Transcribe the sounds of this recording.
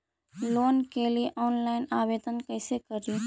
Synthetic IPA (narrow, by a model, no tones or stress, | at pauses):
loːnkelieʔɔːnlaːɪnaːʋeːd̪ənkəɪsekəɾiː